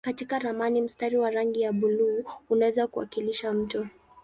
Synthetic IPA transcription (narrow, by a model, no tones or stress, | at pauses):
katikaɾamanim̩staɾiwaɾaŋɡijaɓuluːnawɛzakuwa̰kiliʃam̩tɔ